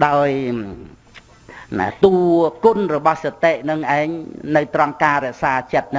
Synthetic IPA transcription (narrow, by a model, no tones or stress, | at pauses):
ɗaɔj | na̰t̪uːkʊnrɔɓɑhset̪eʔnɨŋʔaɛŋnɨwt̪rɑŋkaːɾɛ̆əʔsaːt͡ɕət̪̚nɨ